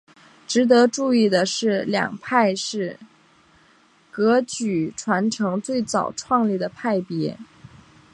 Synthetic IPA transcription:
ʈ͡ʂɻ̩˧˥t̪ɤ˧˥ʈ͡ʂu˥˧i˥˩d̪ə˩ʂɻ̩˥˩ljɑ̰˨˩ŋpʰa˥˧ɪʂɻ̩˥˩ | kɤ˧˥t͡ɕy˨˩ʈ͡ʂʰwa˧˥nʈ͡ʂʰɤ˧˥ŋt͡swe˥˩ɪt͡sɑ˨˩ʊʈ͡ʂʰwɑ˥˧ŋli˥˩d̪ə˩pʰa˥˩ɪpjɛ˧˥

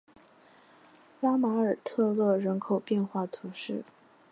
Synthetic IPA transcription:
la˥ma˧˥ə˞˨˩t̪ʰɤ˥˧lwɔ˥˩ɻə˧˥nkʰo˨˩ʊpjɛ˥˧nxwa˥˩t̪ʰu˧˥ʂɻ̩˥˩

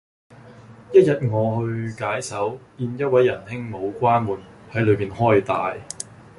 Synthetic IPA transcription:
jɐ˥t̚jɐ˨t̚ŋɔː˨˧hɵ˧ɥkaː˨˥jsɐ˨˥wiː˧njɐ˥t̚wɐ˨˥jːɐ˨˩nhɪ˥ŋmo˨˧wkʷaː˥nwuː˨˩nhɐ˨˥jlɵ˨˧miː˨nhɔː˥jt̪aː˨j

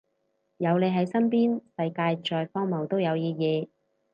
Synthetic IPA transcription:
jɐ˨˧wle˨˧jɦɐ˨˥jsɐ˥npiː˥nsɐ˧jkaː˧jt͡ʃɔː˧jfɔː˥ŋmɐ˨˩wt̪o˥wjɐ˨˧wjiː˨˧jɛː˨˧

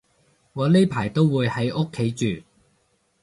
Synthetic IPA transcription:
ŋɔː˨˧le˥jpʰaː˨˩jt̪o˥wwuː˨˧jhɐ˨˧˥jʔo˥kʰːe˨˥jt͡ʃyː˨

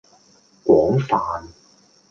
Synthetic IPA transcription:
kʷwɔː˨˥ŋfaː˨n

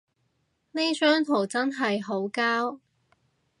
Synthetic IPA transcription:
ne˥sœː˥ŋt̪ʰo˨˩wt͡sɐ˥nɦɐ˨jɦo˨˥wkaː˥w

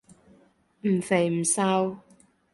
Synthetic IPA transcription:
m̩˨˩fe˨˩jm̩˨˩saː˧˥w

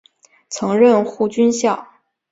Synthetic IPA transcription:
t͡sʰɤ˧˥ŋɻə˥˧nxu˥˩t͡ɕy˥nɕjɑ˥˩ʊ

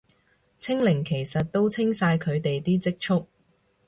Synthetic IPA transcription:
t͡sʰɪ˥ŋlɪ˨˩ŋkʰe˨˩jsɐ˨t̚t̪o˥wt͡sʰɪ˥ŋsaː˧jkʰɵ˨˧ɥt̪e˨jt̪iː˥t͡sɪ˥k̚t͡ʃʰʊ˥k̚

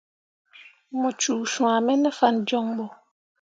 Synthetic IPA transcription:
mɔ̃˨t͡ʃu˨sũ˨a˨mɛ˦nə˦fa˦nd͡ʒɔ˦ŋbɔ˨

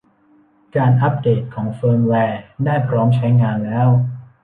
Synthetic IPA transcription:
kaː˧nʔa˦˥p̚deː˨˩t̪̚kʰɔː˩˦ŋfɤː˧mwɛː˧daː˥˩jpʰɾɔː˦˥mt͡ɕʰa˦˥jŋaː˧nlɛː˦˥w

